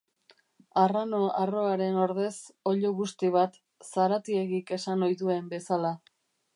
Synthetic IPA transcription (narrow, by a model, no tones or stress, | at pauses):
arano̞aro̞aɾe̞no̞ɾðe̞so̞ʎoɣust̪iβ̞at̪ | saɾat̪ie̞ɣike̞sanojðue̞mbe̞sala